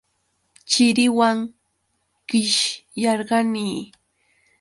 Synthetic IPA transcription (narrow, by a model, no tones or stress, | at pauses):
t͡ʃɪɾɪwaŋ | ɢ̥ɪʃjɑɾɢɑniː